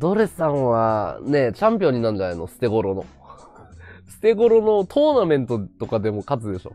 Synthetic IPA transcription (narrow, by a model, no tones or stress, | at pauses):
d̪oɾessãɰ̃βane̞t͡ɕãmpʲjo̞ɲ̟ːinaɯ̟̃ɲd͡ʒanainosɨ̥t̪e̞ɡo̞ɾo̞no̞̰ | sɨ̥t̪e̞ɡo̞ɾo̞no̞t̪ʰo̞ːnamẽ̞nt̪o̞t̪o̞kad̪e̞mo̞kat͡sɨd̪e̞ɕo̞̰